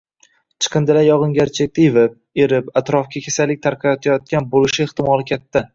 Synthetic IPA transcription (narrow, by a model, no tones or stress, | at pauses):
t͡ʃʰɨ̥qʰɨnd̪ɪlajɒʁɨŋɡʲaɾt͡ʃʰek̚ʲt̪ʰajvɪp̚e̞ɾɪpat̪ɾɒfkʲʰakʲʰesalɪk̚ʲt̪ʰaɾqʰɑjɒt̪ʰajɒt̪̚kʲanbolɪʃɪeht̪ɪmɒlˠɪkʲʰat̪ːa